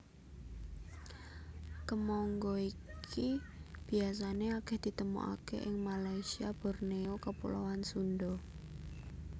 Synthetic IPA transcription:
kəmɔŋɡɔikʰib̥ias̬aneakɛhd̪̥i̤t̪əmṵʔa̰kḛʔɪŋmalaisiab̥ɔrneokəpṵlawansundɔ

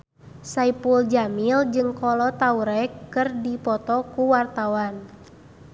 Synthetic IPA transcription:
saipuld͡ʒamild͡ʒɨŋkɔlɔt̪auɾɛkːɨrdipɔt̪ɔkuwart̪awan

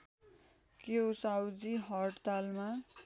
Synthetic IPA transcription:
kjowsawd͡ziɦʌʈt̪alma

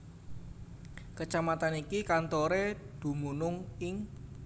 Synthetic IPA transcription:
kət͡ʃamat̪anikikant̪oɾed̪̥ṳmunʊŋɪŋ

